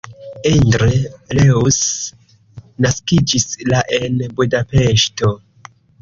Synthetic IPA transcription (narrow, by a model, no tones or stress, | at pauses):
endɾeleus | naskid͡ʒislaʔe̞nbudape̞ʃto̞